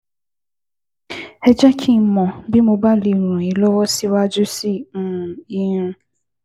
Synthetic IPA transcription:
ɛ˦d͡ʒa˦kʰi˦˨mɔ̃˨bi˦mõ˧ba˦li˨ñũ˨i˨lɔ˦wɔ˦si˦wa˦d͡ʒu˦si˦˨ũ˨i˦nũ˦

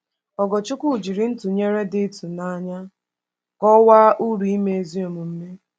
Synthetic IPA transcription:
ɔ˨ɡɔ˨t͡ʃʊ˦kʷu˦˨d͡ʒi˨ɾi˦n̩˦tu˨ɲe˦ɾe˦dɪ˦tu˨na˦ɲa˦ | kɔ˦waː˦ʔu˦ɾu˨i˦me˨e˨zi˦o˨mʊ˨m̩˦me˦

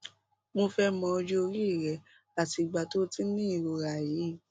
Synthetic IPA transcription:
mo˧fɛ˦mɔ̃˧o˧d͡ʒo˦o˧ɾi˦i˦˨ɾɛ˨ | a˨ti˧˨ɡ͡ba˨to˦ti˦nĩ˦i˦˨ɾo˨ɾa˨jiː˨˦

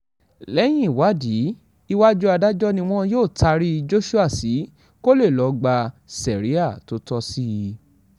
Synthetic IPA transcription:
lɛ˨˦j̃ĩ˦˨wa˨˦di˨˦ | i˧wa˦d͡ʒu˦a˧da˦d͡ʒɔ˦nĩ˧w̃ɔ̃˦joː˦˨ta˧ɾi˦˧d͡ʒo˦ʃu˦a˦˨si˨˦ | ko˦le˦˨lɔ˨˦ɡ͡ba˧sɛ˨ɾi˦a˦˨to˦tɔ˧si˦˧

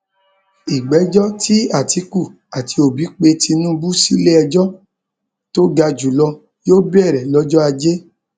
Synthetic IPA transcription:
i˨ɡ͡bɛ˨˦d͡ʒɔ˦tʰi˦a˦˨ti˧ku˦˨ | a˨ti˧o˨bi˨˦k͡pe˧ti˧nũ˦bu˦si˦le˦ɛ˧d͡ʒɔ˦ | to˦ɡa˧d͡ʒu˨lɔ˧ | joː˦bɛ˦˨ɾɛ˨lɔ˦d͡ʒɔ˦a˧d͡ʒe˦

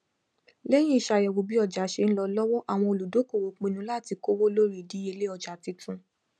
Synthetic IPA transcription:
lɛ˦j̃ĩ˦i˦˨ʃa˧˨jɛ˨wo˨˦bi˦ɔ˦˨d͡ʒa˨˦ʃe˧ñ̩˦lɔ˧lɔ˦wɔ˦ʔa˨w̃ɔ̃˧o˨lu˨do˨˦ko˦˨wo˨k͡pĩ˨˧nũ˧˦la˦˨ti˧ko˦wo˦lo˦ɾi˦˨di˨˦e˧le˦ɔ˨d͡ʒa˨ti˨˧˦tũ˧˦

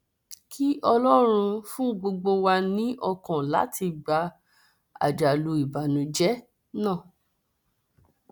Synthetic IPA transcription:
kʰi˦ʔɔ˧lɔ˦ɾ̃ũ˧fũ˦ɡ͡bo˧ɡ͡bo˧wa˧nĩ˦ʔɔ˧kã˨la̰˨˦ti˧ɡ͡ba˧ | a̰˨d͡ʒa˨lu˧˦i˨ba˨nũ˨d͡ʒɛ˦ | nãː˦˨

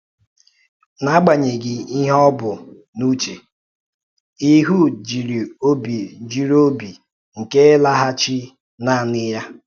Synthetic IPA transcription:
na˦ɡ͡ba˨ɲe˨ɡɪ˨i˦ɦɔ˦bʊ˨ | nu˦t͡ʃe˨ | i˦ɦu˦d͡ʒi˨ɾi˨o˦bi˨d͡ʒi˨ɾo˦bi˨ | ŋ̩˨ke˦la˦ɦa˦t͡ʃi˦ | na˦˨nɪ˦ja˦

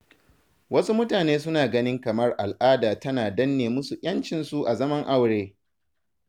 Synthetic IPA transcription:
wɐ˦su˦mʊ˦taː˨neː˦s̬ʊ˦naː˨ɡɐ˦nɪ˦ŋkɐ˨mɐ˦rʔa˨lʔaː˦daː˨tɐ˦naː˨dɐ˦nːeː˨mʊ˦su˨ʔʲʼɐ˦nt͡ʃɪ˨nsu˦ʔa˨zɐ˦mɐ˦ŋʔa˦˨wɽeː˦

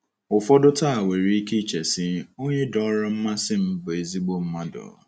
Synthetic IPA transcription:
ʊ˨fɔ˦dʊ˦ta˦a˨we˨ɾi˨˦i˦ki˦t͡ʃe˨sɪ˦o˦ɲe˦dɔ˨˦ɾa˦m̩˦ma˦sɪ˦m̩˦bʊ˨e˨zi˦ɡ͡bo˦m̩˦ma˦dɔ̰˨˦

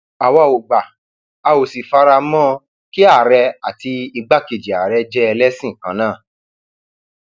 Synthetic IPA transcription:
a˨wa˧˨o˨ɡ͡ba˨ | a˧o˨si˨fa˧ɾa˧mɔ̃˦ | ki˦a˦˨ɾɛ˧a˨ti˧i˧ɡ͡ba˦ke˨d͡ʒi˨a˨ɾɛ˧˦d͡ʒɛ˦ɛ˧lɛ˦sĩ˦˨kã˦nãː˦˨

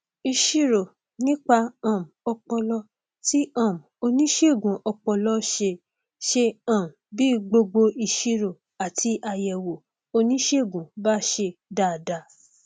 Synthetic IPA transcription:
i˧ʃi˧ɾo˨ | nĩ˦k͡pa˧ã˨m˨ɔ˧k͡pɔ˧lɔ˧ | ti˦ã˦˨m˨o˧nĩ˦ʃe˦˨ɡũ˨˦ʔɔ˧k͡pɔ˧lɔ˧˦ʃe˧ | ʃe˧ã˨m̩˨biː˦ɡ͡bo˧ɡ͡bo˧ʔi˧ʃi˧ɾo˨ | a˨tʰi˧˦ʔa˧jɛ˨wo˨ | o˧nĩ˦ʃe˦˨ɡũ˨ba˦ʃe˧da˨da˧˨

